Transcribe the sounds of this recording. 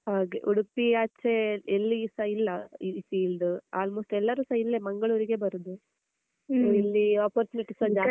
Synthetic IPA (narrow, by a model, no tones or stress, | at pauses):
haːɡeʔuɽupiat͡ʃːeelːiːsɐilːɐisiːld̪uaːlmoːsʈɛlːɐɾusɐilːemɐŋɡɐɭuːɾiɡe̞bɐɾud̪u | ilːiaːpɐɾt͡ʃuniʈisɐd͡ʒaː